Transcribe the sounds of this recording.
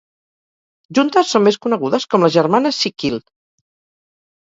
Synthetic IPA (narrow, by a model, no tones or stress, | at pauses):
ʒunt̪əsːomːeskunəɣ̞uðəskɔmləzʒəɾmanəsːikilˠ